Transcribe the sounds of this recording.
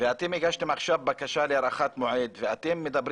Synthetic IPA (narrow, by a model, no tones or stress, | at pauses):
veat̪emeɡaʃt̪emaχʃavbakaʃaleaɾaχat̪moʕed̪veʔat̪emːed̪abɾ